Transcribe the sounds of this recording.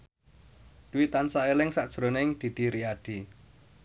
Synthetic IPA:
d̪̥uwit̪ansaelɪŋsaʔd̥ʒ̥ɾo̤neŋd̪̥i̤d̪̥i̤ɾiaɖ̥i

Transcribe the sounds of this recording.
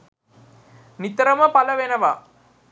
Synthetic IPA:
nit̪ɐɾɐməpɐlɐʋenɐʋa

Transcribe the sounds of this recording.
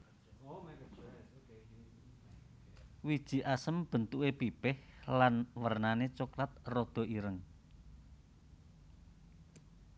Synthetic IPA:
wid̥ʒ̥i̤ʔasəmb̥ə̤nt̪uʔepipɪhlanwərnanet͡ʃuklat̪̚rod̪̥ɔ̤ʔiɾəŋ

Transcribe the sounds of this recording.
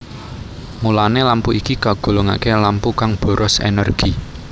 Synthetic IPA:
mulanelampuikikaɡ̥o̤loŋa̰kelampukaŋb̥ɔ̤ɾʔɔsḛnərɡ̥i

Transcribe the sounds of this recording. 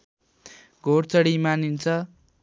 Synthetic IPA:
ɡʱoɽt͡sʌɽimanint͡sʰʌ

